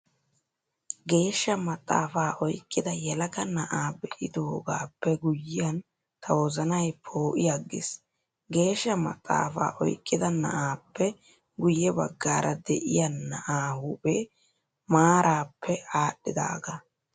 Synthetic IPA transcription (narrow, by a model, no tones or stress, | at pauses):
ɡe̞ːʃːɐmɐt̪ʼːa̰ːfaːʔɔjkʼːɪd̪ɐjɛlɐkɐnɐʔaːbɛʔɪd̪oːɡaːpːɛɡʊjːɪɐn | t̪ʰɐwɔzɐnɐjpʰoːʔɪjɐɡːɪ̰s | ɡe̞ːʃːɐmɐt̪ʼːa̰ːfa̰ːʔɔjkʼːɪd̪ɐnɐ̰ʔaːpːɛ | ɡʊjːɛbɐ̰ɡːaːɾʔɐd̪ɛ̰ʔɪjɐnːɐʔaːhʊpʼeː | maːɾʔaːpʰːɛaːɗːɪd̪a̰ːɡɐ